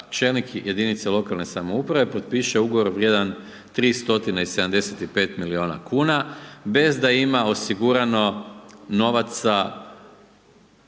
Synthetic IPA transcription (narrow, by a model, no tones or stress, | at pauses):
t͡ʃelnikje̞d̪init̪selo̞kalˠne̞samo̞upɾaʋe̞po̞d̪̚piʃeuɡoʋɾʋɾjed̪an | t̪ɾiːst̪o̞t̪inaised̪amd̪e̞set̪ipe̞ːt̪milio̞ːna̰kuːnabe̞zd̪aimao̞siɡuɾano̞no̞ʋat̪sa